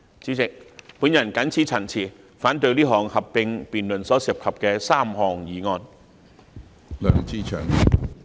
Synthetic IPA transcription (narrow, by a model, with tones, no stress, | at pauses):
t͡siː˨˥t͡sɪ˨k̚puː˨˥njɐ˨˩nkɐ˨˥nt͡sʰiː˨˥t͡sʰɐ˨˩ŋt͡sʰiː˨˩ | faː˨˥nt̪̬ɵ˧ɥliː˥ɦɔː˨˩ŋhɐ˨pːɪ˧ŋpiː˨nlɵ˨˩nsɔː˨˥sɪ˨˩p̚hʰɐ˨p̚kɛː˧saː˥˩mhɔː˨˩ŋjiː˨ŋɔː˧n | lœ̰ː˨˩ŋt͡siː˥t͡ʃʰœ̰ː˨˩ŋ